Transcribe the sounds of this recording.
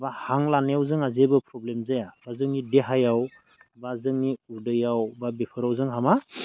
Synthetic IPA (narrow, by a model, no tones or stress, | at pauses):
bahaŋlanjawzɯŋazebɯpʰɾɔblemzajabazɯŋnideɦajaw | bazɯŋniudɯjawbabepʰɯɾawzɯŋɦama